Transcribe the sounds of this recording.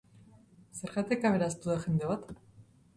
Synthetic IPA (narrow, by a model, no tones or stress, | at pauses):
se̞ɾɣat̪ekaβeɾast̪uðaxe̞nd̪e̞βat̪